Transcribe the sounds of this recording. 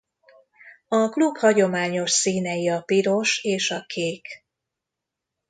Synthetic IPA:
ɒkluphɒɟo̞maːɲo̞ʃsiːnɛjiɒpiɾo̞ʃeːʃɒkʰeːk

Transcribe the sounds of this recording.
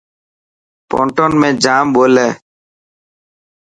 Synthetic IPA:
pɔ̰ɳʈɔnmẽd͡ʒaːmbolɛ

